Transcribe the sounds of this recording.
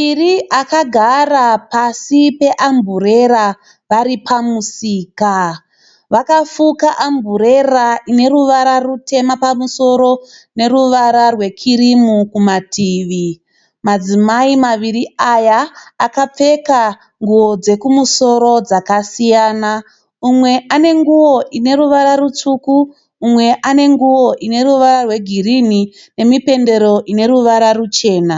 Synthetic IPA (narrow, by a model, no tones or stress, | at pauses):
iriʔakaɡʱarapasipe̞ʔambʱure̞ɾa | ʋaɾipʰamusiːka | ʋakafukaʔambuɾeraine̞ruʋaɾarute̞mapamuso̞ɾo̞ | ne̞ɾuʋaɾarwe̞kʰiɾimukumatʰiːʋi | mad͡zimaimaʋiriajaːkap͡fe̞ka | ŋɡuwo̞d͡ze̞kumuso̞ɾo̞d͡zakasijaːna | umwe̞ʔane̞ŋɡuwo̞ʔine̞ɾuʋaɾaɾut͡ʂukuː | mwe̞ʔane̞ŋɡuwo̞ʔine̞ɾuʋaɾarwe̞ɡʱirini | ne̞mipe̞nde̞ɾo̞ʔine̞ɾuʋaɾarut͡ʃe̞ːna